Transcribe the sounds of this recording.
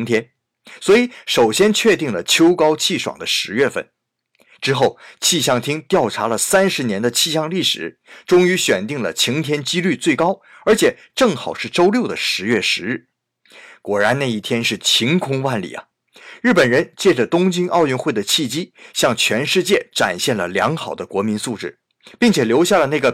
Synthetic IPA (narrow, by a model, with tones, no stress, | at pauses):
ŋt̪ʰjɛ˥n | swɔ˧˥i˧˩˦ʂo˨˩ʊɕjɛ˥nt͡ɕʰɥɛ˥˧t̪i˥˩ŋlə˩t͡ɕʰjo˥ʊkɑ˥ʊt͡ɕʰi˥˩ʂwɑ̰˨˩ŋd̪ə˦ʂɻ̩˧˥ɥɛ˥˧fə̰˥˩n | ʈ͡ʂɻ̩˥xo˥˩ʊt͡ɕʰi˥˧ɕjɑ˥˩ŋt̪ʰi˥ŋt̪jɑ˥˩ʊʈ͡ʂʰa˧˥lə˨sa˥nʂɻ̩˧˥njɛ˧˥nd̪ə˧t͡ɕʰi˥˧ɕjɑ˥˧ŋli˥˩ʂɻ̩̰˨˩˦ | ʈ͡ʂʊ˥ŋy˧˥ɕɥɛ˨˩nt̪i˥˩ŋlə̰˩t͡ɕʰi˧˥ŋt̪ʰjɛ˥nt͡ɕi˥ly˥˧t͡swe˥˩ɪkɑ˥ʊ | ə˞˧˥t͡ɕʰjɛ˨˩˦ | ʈ͡ʂɤ˥˩ŋxɑ˨˩ʊʂɻ̩˥˩ʈ͡ʂo˥ʊljo˥˩ʊd̪ə˩ʂɻ̩˧˥ɥɛ˥˩ʂɻ̩˧˥ɻ̩˥˩ | kwɔ˨˩ɻa˧˥nna˥˧i˥˩t̪ʰjɛ˥nʂɻ̩˥˩t͡ɕʰi˧˥ŋkʰʊ˥ŋwa˥˩nlḭ˨˩ɐ̰˦ | ɻ̩˥˩pə˨˩nɻə˧˥nt͡ɕjɛ˥˩ʈ͡ʂə˩t̪ʊ˥ŋt͡ɕi˥ŋʔɑ˥˧ʊjy˥˧nxwe˥˩ɪd̪ə˩t͡ɕʰi˥˩t͡ɕi˥ɕjɑ˥˩ŋt͡ɕʰɥɛ˧˥nʂɻ̩˥˧t͡ɕjɛ˥˩ʈ͡ʂa˨˩nɕjɛ˥˩nlə˩ljɑ̰˧˥ŋxɑ˨˩ʊd̪ə˦kwɔ˧˥mi˧˥nsu˥˧ʈ͡ʂɻ̩˥˩ | pi˥˩ŋt͡ɕʰjɛ˨˩ljo˧˥ʊɕja˥˩lə˩na˥˩ɡə˩